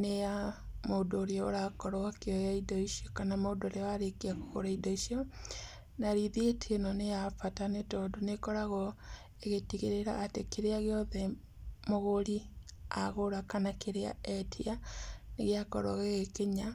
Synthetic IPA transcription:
nejamodoːɾeɔo̰ɾakɔɾwakeɔjaidɔiʃiɔkanamodoɾeaɾekiako̥ɣo̰ɾaidɔisiɔ | naɾiðietʰeenɔnejafatanetɔdonekɔɾaɣɔ | eɣetiɣeɾeɾa̰ːtekeɾeaɣeɔðɛ | moɣoɾi | a̰ɣoɾakanakeɾea̰ɛtʰianeɣeakɔ̰ɾa̰ɣeɣekeɲa

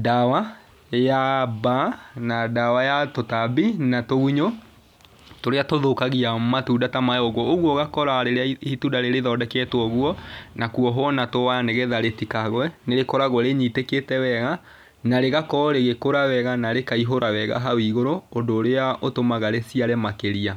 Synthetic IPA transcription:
dawa | jabanadawajatotabinatoɣuɲo | toɾeatoðokaɣiamatuːdatamajɔɣɔoɣwɔɣakɔɾaɾehitudaɾeɾeðɔdɛkɛtwɔɣwɔnakuɔɦwɔnatowaaneɣɛðaɾetikaɣwɛneɾekɔɾaɣwɛɾeɲiteketɛwɛɣa | naɾeɣakɔɾeɣekoɾawɛɣanaɾekaiɦoɾʔawɛɣa̰ɦawiɣoɾoːndoːɾeaʔotomaɣaɾesiaɾɛmakeɾia

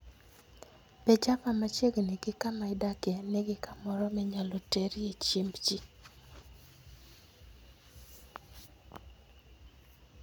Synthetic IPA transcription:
pɛd͡ʒapamat͡ʃjeɡneɡɪkamaɪdakjɛneɡɪkamɔɾɔmɛɲalɔteɾiet͡ʃembd͡ʒi

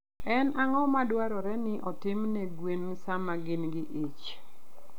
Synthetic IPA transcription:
ɛnʔaŋɔmadwaɾɔɾɛnɪʔɔtɪmnɛɡwen | samaɡɪnɡɪʔit͡ʃ

